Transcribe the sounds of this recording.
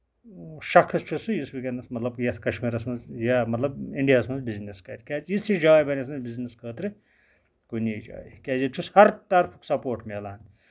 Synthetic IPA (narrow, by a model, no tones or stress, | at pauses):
ʃɐkʰɐst͡ʃʰusujisbikʲɐnɐsmɐt̪lɐbjɐt̪ʰkɐʃmiːɾɐsmɐzjamɐt̪lɐbiɳɖijaːsmɐzbizneskɐ̰ɾʲkʲaːt͡sist͡ʃid͡ʒaːjbɐnʲesmɐbizneskʰəːt̪ɾi | kunijd͡ʒa̰ːjikʲaːzjit͡ʃʰushɐɾt̪ɐɾpʰuksɐpoːʈmelaːn